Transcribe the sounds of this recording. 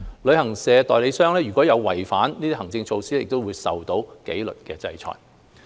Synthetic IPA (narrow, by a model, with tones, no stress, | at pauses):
lɵ˨˧ɥhɐ˨˩ŋsɛː˨˧t̪ɔː˨jle˨˧jsœː˥ŋlɛː˥ɥyː˨˩kʷɔː˨˥jɐ˨˧wwɐ˨˩jfaː˨˥nniː˥t̪i˥ɦɐ˨˩ŋt͡sɪ˧ŋt͡sʰo˧wsiː˥lɛ˥ɪ˨k̚t̪o˥wuː˨˧jsɐ˨wt̪o˨˥wke˨˥jlɵ̰˨t̚kɛ̰ː˧t͡sɐ̰˧jt͡ʃʰɔ̰ː˨j